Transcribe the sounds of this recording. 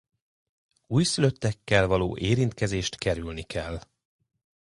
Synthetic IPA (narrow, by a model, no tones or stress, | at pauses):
uːjsyløt̪ːɛkːɛlvɒlo̰ːʔeːɾint̪kɛzeːʃt̪kɛɾylnikʰɛlː